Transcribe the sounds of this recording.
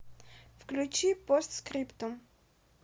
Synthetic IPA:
fklʲʉt͡ɕipost̪skɾʲipt̪om

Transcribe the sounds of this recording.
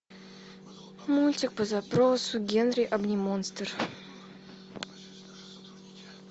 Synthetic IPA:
mulʲtʲɪk̚pəzapɾosʊɡʲenɾʲɪjʔɐbnʲɪmonst̪ər

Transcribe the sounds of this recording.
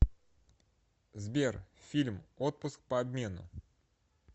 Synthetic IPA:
zbʲe̞rfʲilʲmo̞t̪̚pʊsk̚pəɐbʲmʲe̞nʊ̰

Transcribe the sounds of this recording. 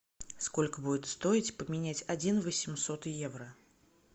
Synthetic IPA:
sko̞lʲkəbudʲɪt̪st̪o̞ɪtʲpəmʲɪnʲæt͡sʲɐd͡zʲinvəsʲɪmsot̪jevɾə

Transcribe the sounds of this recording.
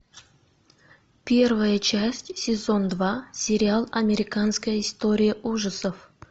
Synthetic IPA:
pʲe̞rvəjət͡ɕæsʲtʲsʲɪzo̞nd̪vasʲɪɾʲɪalˠɐmʲɪɾʲɪkanskəjəɪst̪o̞ɾʲɪjiʔuʐəsəf

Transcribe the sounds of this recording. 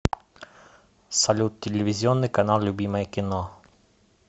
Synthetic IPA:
sɐlʲut̪ʲːɪlʲɪvʲɪzʲɪonːɨjkɐnalˠlʲʊbʲiməjəkʲɪno

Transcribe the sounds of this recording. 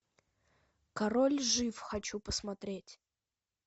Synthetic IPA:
kaɾolʲʐɨfxɐt͡ɕupəsmat̪ɾʲetʲ

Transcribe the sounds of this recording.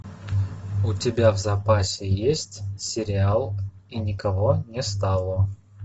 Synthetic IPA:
ʊtʲɪbʲavzɐpasʲɪjesʲtʲsʲɪɾʲɪalˠinʲɪkɐvonʲɪst̪alˠə

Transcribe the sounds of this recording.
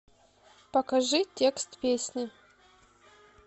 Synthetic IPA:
pɐkɐʐɨtʲekst̪pʲesʲnʲɪ

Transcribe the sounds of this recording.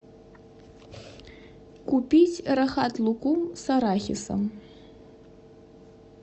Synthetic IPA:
kupʲit͡sʲraxat̪lˠukumsaɾaxʲḭsɐ̰m

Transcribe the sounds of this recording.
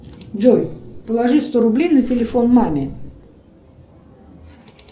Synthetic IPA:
d͡ʒojpəlˠɐʐɨst̪o̞ɾʊblʲejnətʲɪlʲɪfo̞nmamʲɪ

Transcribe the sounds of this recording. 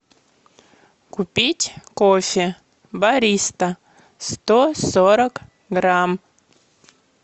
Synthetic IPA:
kupʲitʲkofʲɪ | baɾʲist̪ɐ | st̪osoɾək | ɡram

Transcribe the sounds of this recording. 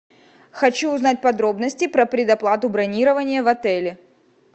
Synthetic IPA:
xɐt͡ɕuːznat̚ʲpɐd̪ɾo̞bnəsʲtʲɪpɾəpɾʲɪd̪ɐplˠat̪ʊbɾɐnʲiɾəvənʲɪjəvɐt̪ɛlʲɪ

